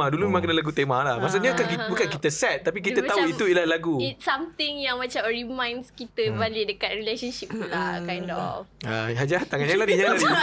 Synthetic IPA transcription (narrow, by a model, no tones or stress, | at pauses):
adulumemãŋkənəlaɡut̪emalahmas̬aɲakakibukankit̪əsɛt̪̚ːap̬ik̬it̪əauit̪uilahlaɡuit̪̚samt̪ɪŋjaŋmãt͡ʃamrimãjnskit̪əbalidəkat̪̚ɾilesənʃip̚kulakajndɔ̰aɦad͡ʒat̪aŋanɲaladiɲalad